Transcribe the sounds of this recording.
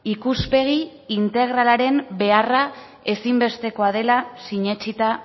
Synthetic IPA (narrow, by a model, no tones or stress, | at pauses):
ikuspe̞ɣ̞iː | nt̪e̞ɣ̞ɾalaɾe̞mbe̞ara | e̞simbe̞st̪e̞ko̞að̞e̞lasiɲe̞t͡ʃit̪a